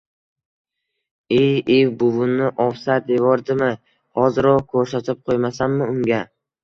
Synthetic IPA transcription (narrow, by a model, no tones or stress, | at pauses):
ejewbʊvʊnːɪʔɒfsat̪̚d̪evɒɾd̪ɪmɪ | hɒzɪɾɒqkʰɵɾsat̪ʰɪp̚qʰojmasanːɪʊŋɡʲa